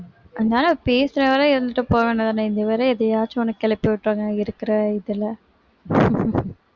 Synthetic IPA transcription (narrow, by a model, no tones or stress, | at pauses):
ʔɐnd̪aːlɐpeːsɯɾɐʋɐɾɐɪɾɯnd̪ɯʈːɯpoːʋeːnːɐðaːnɐɪnd̪ɐʋɐɾɐɛðɐjaːt͡ʃːɯɔnɐkːɛlɐpːojʋʈːɾaːŋɡɐɪɾɯkːɪɾɐɪðɪlɐ